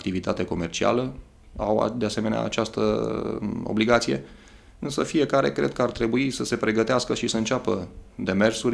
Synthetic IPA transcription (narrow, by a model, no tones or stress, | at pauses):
kt̪ivit̪at̪eko̞me̞rt͡ʃia̰lə | awa̰d̪ease̞me̞nea̰ːt͡ʃast̪ə̰ | o̰bliɡat̪sije̞̰ | ɨnsəfie̞kaɾe̞̰kɾe̞d̪̚kəart̪ɾe̞buisəse̞pɾe̞ɡət̪easkəʃisəɨnt͡ʃapəd̪e̞me̞rsuɾʲ